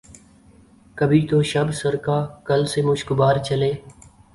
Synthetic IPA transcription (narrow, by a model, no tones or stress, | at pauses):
kəbʱiːt̪oːʃəbsəɾkaːkəlseːmʊʃkʊbaːɾt͡ʃəleː